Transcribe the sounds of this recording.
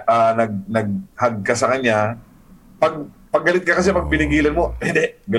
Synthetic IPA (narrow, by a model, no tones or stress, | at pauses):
ʔanɐɡ̚nɐɡ̚hɐɡ̚kɐsɐkɐɲɲa | pɐɡ̚pɐɡːɐlɪt̪̚kɐkɐsɛpɐɡ̚pɪnɪɡiːlɐnmoɛd̪ɛɡɐ